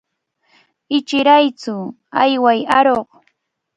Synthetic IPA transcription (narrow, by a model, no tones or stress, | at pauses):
ɪt͡ʃɪɾajt͡sʊ | ajwajaɾoχ